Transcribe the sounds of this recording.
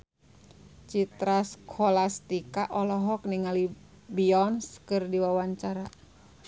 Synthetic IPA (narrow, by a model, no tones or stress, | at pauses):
t͡ʃit̪ɾaskʰɔlast̪ikaʔɔlɔɦɔk̚niŋali | biɔnskɨrdiwawaɲt͡ʃaɾa